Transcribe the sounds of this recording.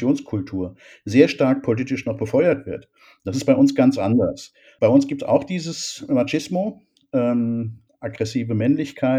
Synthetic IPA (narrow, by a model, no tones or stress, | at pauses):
joːnskʰʊltʰuːɐ | zeːɐʃtaɐk̚pʰoliːtɪʃnɔχb̥əfɔʏɐtv̥ɪɐt | d̥asɪst̚b̥aɪʔʊnsɡ̥ant͡sʔandɐs | b̥aɪʊnsɡ̥iːp̚tsa̰ʊxd̥iːzəsmat͡ʃɪsmo | ʔɛːm | ʔaɡʁɛsiːvəmɛnlɪçkʰaɪ